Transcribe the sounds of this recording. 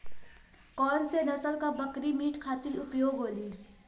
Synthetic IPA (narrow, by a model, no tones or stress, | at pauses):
kɔːnsenɐsəlkabəkɾimiːʈkʰaːt̪ɪɾʊpjoːɡɦoːli